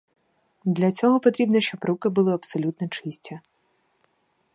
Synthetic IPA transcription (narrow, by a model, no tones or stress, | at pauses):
d̪lʲɐt͡sʲɔɦɔpɔt̪ɾʲibnɔʃt͡ʃɔbɾukɪbʊlˠɪɐpsɔlʲut̪nɔt͡ʃɪsʲtʲɐ